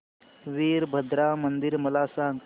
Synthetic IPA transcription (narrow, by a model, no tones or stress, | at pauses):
ʋiːɾbʱəd̪ɾaːmənd̪iɾmɐlaːsaːŋɡ